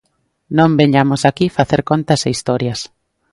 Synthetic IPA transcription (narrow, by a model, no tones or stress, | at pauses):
nõmbeɲamosakifaθeɾkont̪ɐseist̪ɔɾjɐs